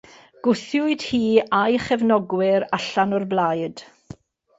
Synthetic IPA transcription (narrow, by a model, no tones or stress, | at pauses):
ɡ̥ʊθjʊɨd̥hiːajχɛvnɔɡwɪɾaɬanɔrblajd̥